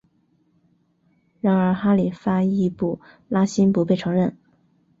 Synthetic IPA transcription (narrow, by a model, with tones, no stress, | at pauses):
ɻa˧˥ŋə˞˧˥xa˥li˨˩fa˥i˥˧pu˥˩ | la˥ɕi˥npu˧˥pe˥˩ɪʈ͡ʂʰɤ˧˥ŋɻə˥˩n